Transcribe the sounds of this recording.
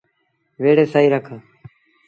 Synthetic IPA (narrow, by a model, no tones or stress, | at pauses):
ʋeːɽeːsaːiːɾəkʰaː